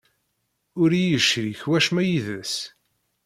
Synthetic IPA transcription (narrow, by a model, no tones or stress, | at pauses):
ʊɾijəʃɾiçwæʃmæjiðəs